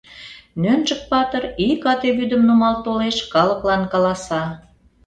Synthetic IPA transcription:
nønʒək̚pɑt̪ərikɑt̪eβyd̪ə̆mnumɑlt̪oleʃkɑlə̆klɑnkɑlɑsɑ

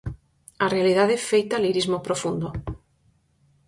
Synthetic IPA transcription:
arealið̞aðefejt̪aliɾizmopɾofund̪o

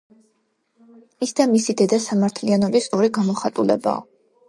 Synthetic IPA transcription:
isd̪amisid̪ɛd̪asamaɾt̪ʰlianɔbisɔɾiɡamɔχat̪ʼulɛ̰ba̰ɔ̰

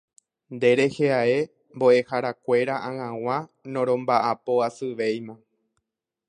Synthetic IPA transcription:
nd̪e̞ɾe̞he̞ae̞ | mbo̞ʔe̞haɾakʷe̞ɾaʔãŋãw̃ãnõ̞ɾ̃õ̞mbaʔapo̞asɨʋe̞jmã

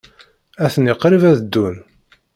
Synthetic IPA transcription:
æθənɪqːɾivæðəd̪ːun

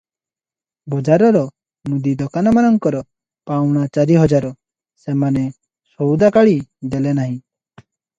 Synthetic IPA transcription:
bɔd͡ʒaɾɔɾɔ | mud̪id̪ɔkanɔmanɔŋkɔɾɔ | pawɽ̃at͡ʃaɾiɦɔd͡ʒaɾɔ | semane | sɔwd̪akaɭid̪ɛlɛnaɦĩ

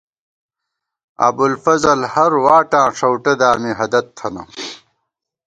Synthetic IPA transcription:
ɐ̰bulfɐzɐlhɐɾwaːʈãːʂɐwʈɐd̪aːmiɦɐd̪ɐt̪ʰːɐnɐ̰

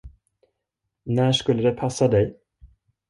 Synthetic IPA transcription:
næːʂkɵlːəd̪ɛpʰasːad̪ɛj

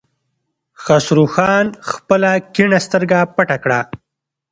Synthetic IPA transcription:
xasɾuxɑːnxpəlakiɳast̪əɾɡapaʈakɽa

